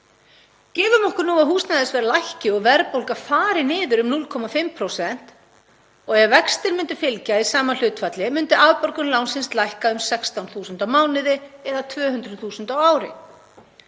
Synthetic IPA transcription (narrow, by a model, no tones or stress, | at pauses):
cɛːvʏmɔhkʏɾnuːaðɦuːst̪naðɪsvɛːɾalajhcɪɔɣvɛɾpowlkafaːɾɪnɪːðʏɾʏmnulkʰɔmafɪmpʰɾowsɛn̥t̪ | ɔɣɛɣvɛkst̪ɪɾmʏnt̪ʏfɪlcaisaːmanl̥ʏːt̪fat̪lɪmʏnt̪ʏavpœɾkʏnlaːwnsɪnst̪lajhkaʏmsɛkst̪awnθuːsʏnt̪awmaːwnɪðɪɛðat̪ʰvœːhʏnt̪ɾʏðθuːsʏnt̪awaːwɾɪ̰